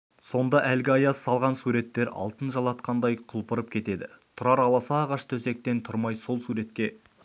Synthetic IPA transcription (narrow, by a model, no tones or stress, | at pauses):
so̞nd̪ɑʔælɡʲɪɑjɑssɑlˠʁɑnsuɾe̞t̪ːe̞ɾɑ̰lˠt̪ənʒɑlˠɑt̪qɑnd̪ɑjqʰʊlˠpəɾəp̚kʲʰe̞t̪e̞d̪ɪt̪ʰʊɾɑɾɑlˠɑsɑʁɑʃt̪ʰɵse̞k̚t̪e̞nt̪ʰʊɾmɑjso̞lˠsuɾe̞t̪kʲe̞